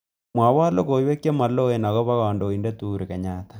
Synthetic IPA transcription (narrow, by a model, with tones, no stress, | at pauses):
mwa˨wa˦lo˦ko˨i˦we˦ke˦ma˨lo˦e˨na˨ɣɔ˦βa˦ɣɔ˨ndo˨i˨ndɛ˦tuɾi˨ka˨ɲatḁ